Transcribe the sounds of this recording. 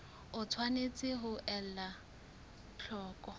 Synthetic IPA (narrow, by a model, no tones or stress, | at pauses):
ʊt͡sʰwanet͡sʼɪɦʊʔɛl̩la | t͡ɬʰɔːkʼɔ